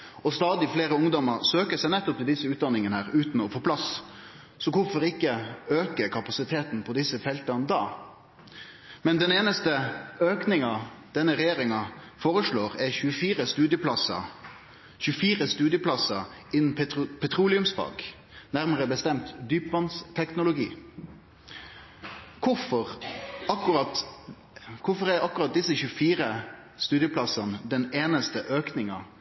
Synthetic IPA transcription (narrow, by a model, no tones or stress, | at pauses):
ɔst̪ɑːd̪ɪfleːɾəʊŋd̪ɔməʁsøːkəsæɪnɛt̪ːɔp̚t̪ɪld̪ɪsːəʉːt̪̚d̪ɑnːɪŋənəhæːʁɾʉːt̪n̩ɔfoːpʰlɑs | sɔkʊfɔɾɪkːəøːkəɾkʰɑpɑsɪt̪ʰeːt̪n̩pʰɔd̪ɪsːəfɛlt̪ənd̪ɑː | mɛnd̪ɛneːnəst̪əøːknɪŋɑd̪̥ɛnːəɾɛjeːɾɪŋɑ | foːʁəʂɭoːʁɛçʉəfiːɾəst̪ʉːd̪jəpʰlɑsɑ̰ | çʉəfiːʁəst̪ʉːd̪jəplɑsːɑɪnːn̩pʰɛt̪ʰɾuːlɪʉmsfɑ̰ɡ | næʁməʁəbəst̪ɛmt̪d̪yːpʋɑnst̪ʰɛknʊlʊɡḭː | kʰʊfɔʁɑkʁɑt̪ | kʰʊfɔʁæɾɑkːʊʁɑt̪̚d̪ɪsːəçʉfiːɾə | st̪ʉːd̪jəpʰlɑsɑnəd̪ɛneːnəst̪əʔøːknɪŋɑ